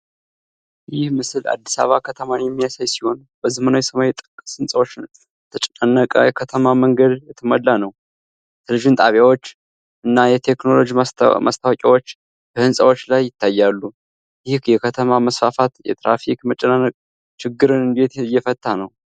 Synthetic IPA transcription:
jɪhmɨsɨla̰d̪ːi̥sa̰βakʰət̪ʰəmanjɛmːijasajsiho̞n | bəzɨmənajɛsəmajɛt̪ʼɨ̥kʼːɨshɨnsʼəwot͡ʃːɪn | t̪ʰət͡ʃʼɛnənːəkʼə̰jɛkʰət̪ʰəmaməŋɡəd̪jɛt̪ʰːəməlːanəw | t̪ʰəlɨʒɨnt̪ʼaβjawo̞t͡ʃː | ʔɨnːajɛt̪ʰe̞kno̞lo̞d͡ʒimast̪ʰawəkʼiwo̞t͡ʃː | b̥əhɨnsʼəwo̞t͡ʃːlajːɪt̪ʰːajːalːu | jɪhkjɛkʰət̪ʰəmaməsfafat̪jɛ̰t̪ɾa̰fikmət͡ʃʼənənːəkʼ | t͡ʃɪɡːɨɾɨnɨnd̪e̞t̪jːɛfət̪ʼːanəw

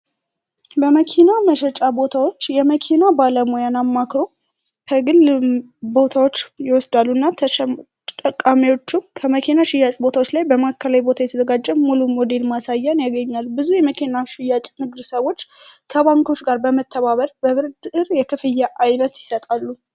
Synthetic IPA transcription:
bəməkʰinaməʃɛt͡ʃʼabo̞t̪ʰawo̞t͡ʃːjɛməkʰinabaləmojanamːakɾo̞ | kʰəɡɨl | bo̞t̪ʰawo̞t͡ʃːjɪwɔsd̪alːunːa | əkʼːamiwo̞t͡ʃːumkʰəməkʰinaʃɪjːat͡ʃʼbo̞t̪ʰawot͡ʃːlajbəmakːəlajbo̞t̪ʰajɛt̪ʰəzəɡad͡ʒːɛmmulummod̪e̞lmasajːanjaɡəɲːalːbɨzujɛməkʰinaʃɪjat͡ʃʼnɨɡd̪səβo̞t͡ʃːkʰəβaŋkʰo̞t͡ʃːɡaɾbəmət̪ʰːəβaβəɾbəβɨɾd̪ʔɨɾjɛkʰɨfɨjːaʔajnət̪jɪsət̪ʼalːu

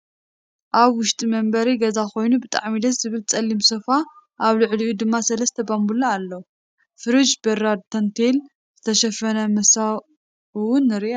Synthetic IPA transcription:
ʔaβwʊʃt̪ʼimɐmbɐɾiɡɐzako̞jnubɨt̪ʼa̰ʕmid̪ɐszɨβɨlt͡sʼɐlːimsɐfa | ʔaβlɨʕliʔud̪ɨmːasɐlɐst̪ʰɐbambulaːlːowu | fɨɾɨd͡ʒbɐɾad̪̚t̪ʰɐnt̪ʰel | z̥ɨt̪ʰɐʃɐfɐnɐmɐsa | uwʊnːɨɾʔ

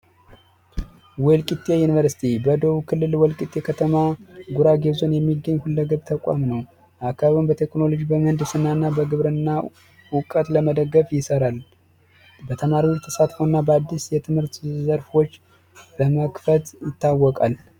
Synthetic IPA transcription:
wɔlkʼit̪ʼːejunivəɾsi̥t̪ʰibəd̪o̞βukʰɨlːɨlwɔlkʼit̪ʼːekʰət̪ʰəmaɡuɾaɡe̞zo̞njɛmːiɡːəɲːhulːəɡəβt̪ʰəkʼa̰mnəw | ʔakʰaβumbət̪ʰe̞kno̞lod͡ʒibəmənd̪ɨsɨnːanːabəɡɨβɾɨnːa | wʊkʼət̪ləməd̪əɡːəfjɪsəɾal | bət̪ʰəmaɾiwt̪ʰəsat̪fonːabəad̪ːisjɛt̪ʰɨmhɨɾt̪zəɾfo̞t͡ʃː | ləməkfət̪jɪt̪ːawːɔkʼal

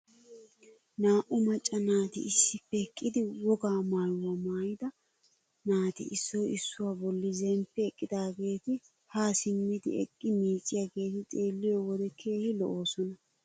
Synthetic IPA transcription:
naːʔʊmɐt͡ʃʼːɐnaːt̪ɪ̰ɪsːɪpːɛɛkʼːɪd̪ɪwɔɡaːmaːjwɐmaːjɪd̪ɐ | naːt̪ɪ̰ʔɪsːɔjɪsːʊwaːbɔlːɪzɛmpːɛːkʼːɪd̪aːɡe̞ːt̪ɪ | haːsɪmːɪd̪ɪ̰ɛ̰kʼːɪmiːt͡sʼːɪjaːɡe̞ːt̪ɪt͡sʼe̞ːlːɪjɔwɔd̪ɛkʰe̞ːhɪlɔ̰ʔo̞ːsɔnɐ

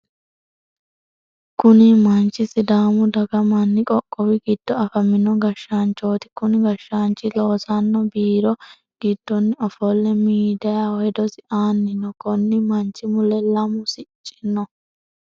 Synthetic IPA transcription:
kʊnɪmɐnt͡ʃːɪsɪd̪aːmʊd̪ɐɡɐmɐnːɪkʼɔkʼːɔwɪɡɪd̪̥ːɔɐfɐmɪnɔɡɐʃːaːnt͡ʃːoːt̪ɪ̥kʊnɪɡɐʃːaːnt͡ʃːɪloːsɐnːɔbiːɾɔ | ɡ̥ɪd̪̥ːɔnːɪɔfɔlːɛmiːd̪ɐjawɔɛd̪ɔsɪʔaːnːɪnɔkɔnːɪmɐnt͡ʃːɪmʊlɛlɐmʊsɪt͡ʃʼːɪnːɔ

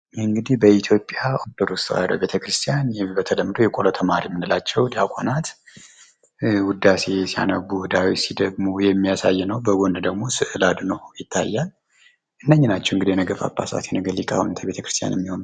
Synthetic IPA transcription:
ɨŋɡɨd̪ihbəit̪ʰjo̞pʼːjaʔod̪oɾost̪wa̰ɾə̰be̞t̪ʰəkɾɨst̪ʰijanjɛbət̪ʰələmːɨd̪ojɛkʼolət̪ʰəmaɾimɨnɨlat͡ʃːɛwd̪iakʷʼo̰nat̪ | wʊd̪ːase̞sija̰nəɡuwd̪awisid̪əɡmujɛmːijasa̰jːɛnəwbəɡond̪əɡmo̞sɨʔɨlad̪nəwjɪt̪ʰːajːal | ʔɨnːəɲːɪnat͡ʃːɛɨŋɡɨd̪ijɛnəɡəfa̰bːa̰sa̰t̪ɛnəɡəlikʼa̰hunt̪ʰəbe̞t̪ʰəkɾɨst̪ʰija̰njɛ̰mːiho̞n

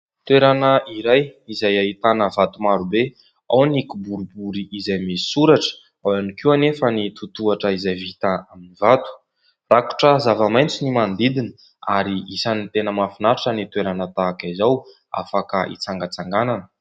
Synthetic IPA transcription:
t̪weɾanəʔiɾajizajait̪anəvat̪umaɾube | awnikubuɾubuɾiːzajmisi̥suɾaʈ͡ʂə̥ | awanikianefənit̪ut̪uaʈ͡ʂəizajvit̪aaminivat̪u̥ | raku̥ʈ͡ʂəzavamajnt͡sinimand̪id̪inə | aɾiisanit̪enəmafinaɾʈ͡ʂənit̪weɾanət̪aːkazaw | a̰fakəʔḭt͡saŋɡət͡saŋɡananə̥

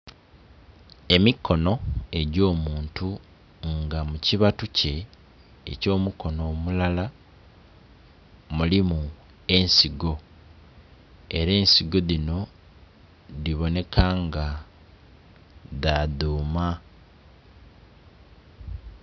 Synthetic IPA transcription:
e̞mikʰːo̞no̞e̞ɟo̞ːmuːntu | ŋɡamuciβatuce̞̰ː | co̞ːmuko̞no̞ːmulala | mulimu | e̞nsiɡo̞ | e̞ɾe̞ːnsiɡo̞ðino̞ | ðiβo̞ne̞kʰaŋɡa | ðaðuːma

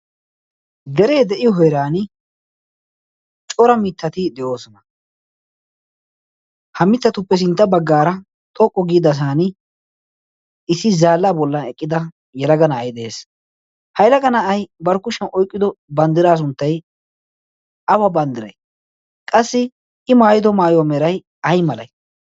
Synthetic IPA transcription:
d̪ɛɾe̞ːd̪ɛʔɪjɔɦɔjɾaːn | t͡ʃʼɔɾɐmɪt̪ʰːɐt̪ɪd̪ɛʔo̞ːsɔnɐ | hɐmɪt̪ːɐt̪ʊpːɛs̬ɪnt̪ːɐbɐɡːaːɾɐ | t̪ʼɔkʼːɔɡiːd̪ɐs̬aːnɪ | ɪsːɪzaːlːaːbɔlːɐnɛkʼːɪd̪ɐ | jɛlɐɡɐnɐːjd̪ɛeːs | hɐjlɐɡɐnɐɐjbɐɾkʊʃɐnʔɔjkʼːɪd̪ɔbɐnd̪ɪɾaːs̬ʊnt̪ːɐj | ɐwɐbɐnd̪ɪɾɐ̰j | kʼɐsːɪ | ɪmaːjɪd̪ɔmaːjɔmɛɾɐj | ɐjmɐlɐ̰j

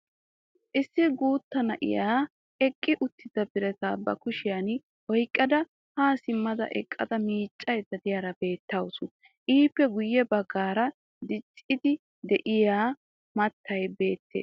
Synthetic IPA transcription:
ʔɪsːɪɡuːt̪ːɐnɐʔɪ̰jaː | ɛkʼːɪʔʊt̪ʰːɪd̪ɐbɪɾɛt̪aːbɐ̰kʊʃɪjan | wɔjkʼːɐd̪ɐ | haːsɪmːɐd̪ɐ̰ʔɛ̰kʼːɐ̰d̪ɐmiːt͡ʃʼːɐjd̪ɐd̪ɪjaːɾɐbe̞ːt̪ːɐwsʊn | ʔiːpːɛɡʊjːɛbɐɡːaːɾɐ | d̪ɪt͡ʃʼːɪd̪ɪ | d̪ɛʔɪjaː | mɐt̪ːɐjbe̞ːt̪ːḛːs

